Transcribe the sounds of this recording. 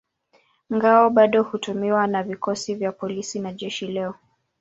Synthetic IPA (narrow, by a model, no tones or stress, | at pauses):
ŋɡaɔɓaɗɔhutumiwanavikɔsivjapɔlisinaʄɛʃilɛɔ